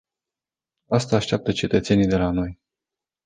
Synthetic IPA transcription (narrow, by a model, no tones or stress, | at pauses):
ast̪aːʃt̪eap̚t̪ət͡ʃe̞t̪ət̪se̞nid̪e̞lano̞j